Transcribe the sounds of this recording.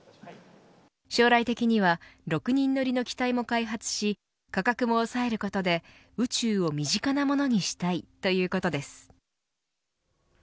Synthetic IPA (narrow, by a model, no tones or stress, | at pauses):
ɕo̞ːɾait̪e̞kʲiɲ̟iβ̞aɾo̞kɯ̟ɲ̟ĩnːo̞ɾʲino̞kʲi̥t̪aimo̞kaiɦat͡sɨ̥ɕi | kakakɯ̟mo̞ːsae̞ɾɯ̟ko̞t̪o̞d̪e̞ | ɯ̟t͡ɕɨːo̞mʲiʑikanamo̞no̞ɲ̟iɕi̥t̪ait̪o̞jɯ̟ːko̞t̪o̞d̪e̞sɨ̥